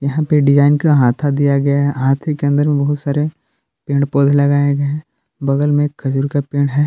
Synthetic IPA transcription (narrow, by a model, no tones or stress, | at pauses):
jɐɦãpeɖɪd͡ʒaːɪnkaɦaːt̪ʰad̪ijaɡɐjaɦɛɦaːt̪ʰekeɐ̃nd̪əɾmẽbɐɦʊt̪saːɾe | pẽːɳɖpoːd̪ʱlɐɡaːeɡɐɛ̃ | bɐɡəlmẽkxɐd͡ʒuːɾkapẽːɽɦɛː